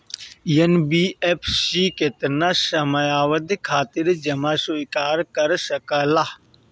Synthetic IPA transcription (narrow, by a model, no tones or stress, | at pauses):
jɐnbiːepʰsiːket̪ənasəmajaːʋəd̪kʰaːt̪ɪɾd͡ʒɐmaːsuikaːɾkəɾsəkəlaː